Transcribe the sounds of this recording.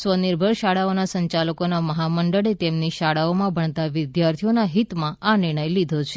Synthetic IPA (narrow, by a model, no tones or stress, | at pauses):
sʋəniɾbʱəɭʃaɽaonasəɲt͡ʃaləkonaməɦaməɳɖəɽet̪emniʃaɽaomãbʱəɳt̪aʋɪd̪jaɾt̪ʰijonaɦit̪mãʔanɪɾɳ̃əjlid̪ʱot͡ʃʰe̥